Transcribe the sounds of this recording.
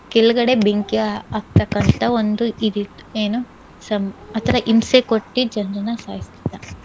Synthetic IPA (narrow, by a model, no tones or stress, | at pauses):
keluɡɐɽe̞beŋkiaaːɡ̚t̪ɐkːɐnt̪ʰɐond̪uid̪it̪ːu̥eːnu | sɐmɐt̪ʰɐɾɐʔimsekoʈːid͡ʒɐnɾɐnɐsaːɦist̪id̪ːɐ